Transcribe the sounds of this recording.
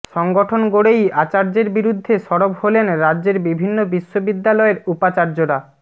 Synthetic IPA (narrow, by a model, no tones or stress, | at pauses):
ʃɔŋɡoʈʰonɡoɽejat͡ɕaɾd͡ʑeɾbiɾud̪ʱːeʃɔɽobholenɾadːʑeɾbibʱinːobiʃːobid̪ːalɔeɾupat͡ɕaɾd͡ʑoɾa